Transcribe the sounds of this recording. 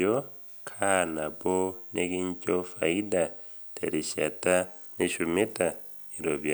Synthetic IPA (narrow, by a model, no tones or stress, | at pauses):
o | kʰanabonekiɲcofa̰ida | tḛɾiʃa̰taneʃumita | iɾoβja